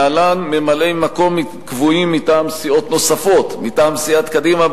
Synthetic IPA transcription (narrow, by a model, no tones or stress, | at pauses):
alanmemalemako̞mːi | kvuimːitaːmsio̞t̪no̞safo̞t̪mit̪aːmsiat̪kadima